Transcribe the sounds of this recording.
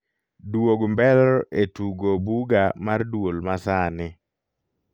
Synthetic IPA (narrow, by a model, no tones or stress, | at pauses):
dwoɡmbɛlɔetuɡobuɡamardwolmasanɪ